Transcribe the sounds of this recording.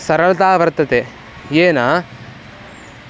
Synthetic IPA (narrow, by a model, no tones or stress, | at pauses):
sɐɾɐɭɐt̪aːʋɐɾt̪ɐt̪e | jeːnaː